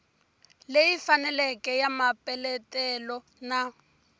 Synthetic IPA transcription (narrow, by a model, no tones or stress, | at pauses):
lejifanɛlɛkɛjamapʼɛlɛtɛlɔ | na